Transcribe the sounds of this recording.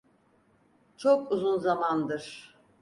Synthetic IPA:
t͡ʃʰokuzunzamand̪ɯɾ̥

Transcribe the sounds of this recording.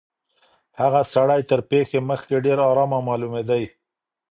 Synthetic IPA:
haɣasaɽajt̪əɾpexeməxkeɖeɾɑɾɑmamɑlumed̪aj

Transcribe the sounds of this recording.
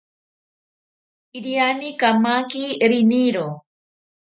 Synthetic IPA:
iɾianikamakiɾiniɾo

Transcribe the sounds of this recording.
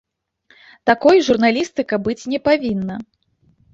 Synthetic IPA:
t̪akɔjʐurnalʲist̪ɨkɐbɨt͡sʲnʲɛpavʲinːɐ

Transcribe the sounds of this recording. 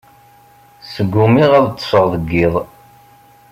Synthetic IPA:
səɡːumiʁæðt̪ˤːə̥fəʁðəɡːiðˤ

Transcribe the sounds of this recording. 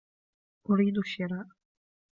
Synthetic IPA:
ʔʊɾiːd̪ʊʃɪɾaːʔ

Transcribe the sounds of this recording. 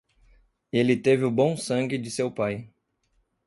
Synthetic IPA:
elɪt̪evɪʊbõw̃sɐ̃ŋɡʲɪd͡ʒɪsewpaj

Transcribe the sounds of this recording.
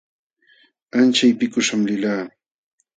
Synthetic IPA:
ant͡ʃajpɪkʊʃamlɪlaː

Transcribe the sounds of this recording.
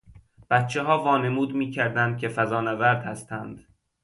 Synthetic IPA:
b̥æt̪t͡ʃʰeɦɒːvɒːne̞muːd̪miːcʰæɾd̪ænd̪̥̚cʰʲe̞fæzɒːnævæɾd̪hæst̪ʰænd̪̥

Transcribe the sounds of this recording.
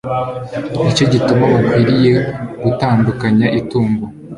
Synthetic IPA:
it͡ʃo̞ɟitumaβakwiːɾije̞ɡ̥utaːndukaɲaʔituːŋɡo

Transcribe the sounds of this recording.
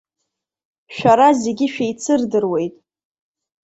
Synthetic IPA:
ʃᶣaɾazeɡʲɪʃᶣejt͡sʰɨrdɨrwe̞jtʼ

